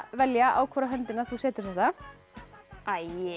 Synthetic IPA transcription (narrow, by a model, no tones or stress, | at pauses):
vɛljaʔa̰ːwkʰvɔɾaɦœnt̪ɪnaθusɛːt̪ʏɾ̥θɛht̪a | ajɪ